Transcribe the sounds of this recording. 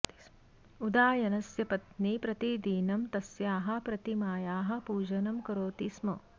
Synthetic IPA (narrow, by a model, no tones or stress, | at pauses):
ud̪aːjɐnɐsjɐpɐt̪nipɾɐt̪id̪iːnɐmt̪ɐsjaːɦɐ̆pɾɐt̪imaːjaːɦɐ̆puːd͡ʒɐnɐmkɐɾoːt̪ismɐ